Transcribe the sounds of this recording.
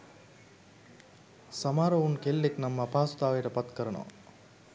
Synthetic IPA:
samaːɾɐunkelːeknɐmːəːpaːsu̥t̪aːʋejʈəpɐt̪kəɾɐno̰ʋɐ̰

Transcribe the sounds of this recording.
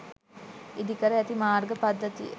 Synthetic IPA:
id̪ikəɾəæt̪imaːrɡəpad̪ːət̪iə̰

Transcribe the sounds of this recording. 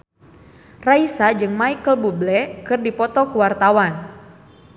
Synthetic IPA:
raisad͡ʒɨŋmaikəlbublɛkɨrdipɔt̪ɔkuwart̪awan

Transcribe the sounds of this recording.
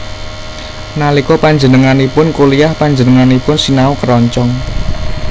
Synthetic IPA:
nalikɔpaɲd͡ʒənəŋanipʊnkulijahpaɲd͡ʒənəŋanipʊnsinaukəɾɔɲt͡ʃɔŋ

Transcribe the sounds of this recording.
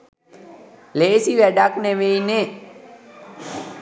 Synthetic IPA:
leːsiʋæɖakneʋeine

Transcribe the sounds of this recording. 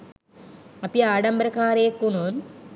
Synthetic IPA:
ɐpiaːɽɐmbɐɾɐkːaːɾeːkːunon

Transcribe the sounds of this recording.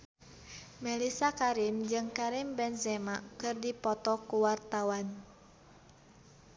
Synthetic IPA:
mɛlisakaɾimd͡ʒɨŋkaɾimbɛnzɛmakɨrdipɔt̪ɔkuwart̪awan

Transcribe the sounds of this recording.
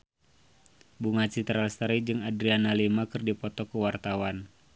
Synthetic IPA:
buŋat͡ʃit̪ɾalst̪aɾid͡ʒɨŋadɾianalimakɨrdipɔt̪ɔkəwart̪awan

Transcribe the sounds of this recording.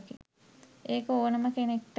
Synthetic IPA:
kḭ | eːkəoːnəməkenek̚ʈ

